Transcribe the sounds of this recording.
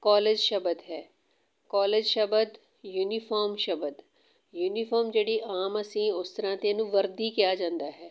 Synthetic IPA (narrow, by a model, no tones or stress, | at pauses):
kɔːleːd͡ʒʃəbəd̪ɦɛː | kaːleːd͡ʒʃəbəd̪ | juːniːfʰɔːɾmʃəbəd̪ | juːniːfʰɔːɾmd͡ʒeːɽiːʔaːməsĩːʊst̪əɾãːt̪eːnũːʋəɾd̪iːkɪjaːd͡ʒãːnd̪aːɦɛː